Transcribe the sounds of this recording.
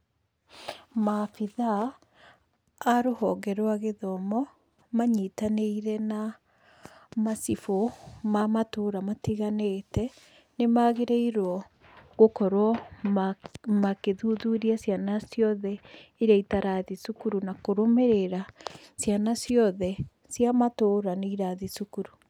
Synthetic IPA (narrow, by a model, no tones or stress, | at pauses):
mafiða | ɾohɔɡɛɾwaɣeðɔmɔ | maɲitaneiɾɛna | masifomamatoɾamatiɣanetɛ | nemaɣeɾeiɾwɔ | ɣokɔɾwɔ | makeðuðuɾiasjanasjɔðɛiɾaitaɾaðisukuɾunakoɾomɛɾeɾasjanasjɔðɛ | sjamatoːɾaneiɾaðisukuɾu